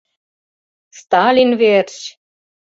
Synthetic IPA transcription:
st̪ɑlʲinvert͡ɕ

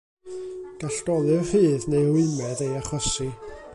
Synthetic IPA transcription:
ɡ̥aɬɡ̥ɔlˠɨhiːðnejwɪmɛdejaχɔsi

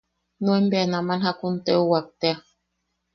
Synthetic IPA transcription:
nuembeanamanhakuntɛuwak̚t̪ɛa

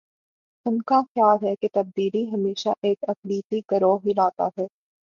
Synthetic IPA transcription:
ʊnkaxjaːlɦɛket̪ɐb̚d̪iːliɦɐmeːʃa̰ʔeːkɐxliːt̪iɡɐɾoːɦilaːt̪a̰ɦɛː

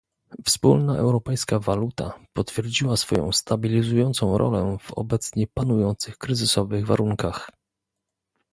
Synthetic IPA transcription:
fspulnaʔɛ̰wɾɔpɛjskavalut̪a̰pɔt̪fʲjɛɾd͡ʑiwasfɔjɔ̰̃w̃st̪abʲilʲizujɔnt̪sɔ̃w̃ɾʔɔ̰lɛv̥ɔ̰bɛt̪sɲɛpanujɔnt̪sɘxkɾɘzɘsɔvɘɣva̰ɾuŋkax

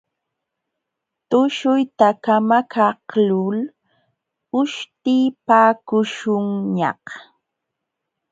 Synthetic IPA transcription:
t̪ʊʃʊjt̪akamakʰahlʊl | ʊʃt̪ɪpaːkʊʃʊŋɲɑ̰h

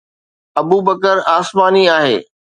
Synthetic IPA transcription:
ɐbuːbəkəɾaːsmaːniaːɦḛː

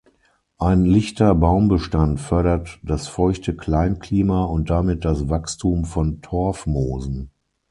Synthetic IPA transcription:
ʔaɪnlɪçtɐbaʊmbəʃtantfœɐɾɐtd̥asfɔʏçtʰəkl̥aɪnkliːmaʊnt̚d̥amɪt̚d̥asvakstʰuːmfɔntʰɔɐfmoːzn̩

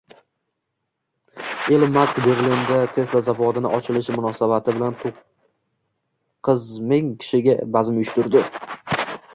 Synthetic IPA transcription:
e̞lmaskbe̞ɾlind̪at̪ʰe̞slazavɒd̪ɪnɪʔɒt͡ʃʰɪlɪʃmʊnɒsabat̪ʰɪbɪlant̪ʰoq | ɨzmɪŋkʲʰɪ̥ʃɪɡʲabazɪmjʊʃt̪ʊɾd̪ɪ

